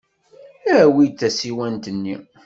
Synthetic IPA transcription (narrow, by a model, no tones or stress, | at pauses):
æwit͡sːæsiwænt̪ənːi